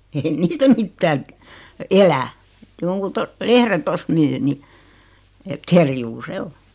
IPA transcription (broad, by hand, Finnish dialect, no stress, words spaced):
ei niːstæ mitːæːŋ kə elæ joŋkun to lehre tost myː ni et kerjuː se o